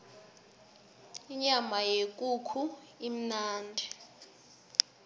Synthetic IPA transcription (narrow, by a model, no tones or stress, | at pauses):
iɲamajek̬ʼukʰu | im̩naːndʱɛ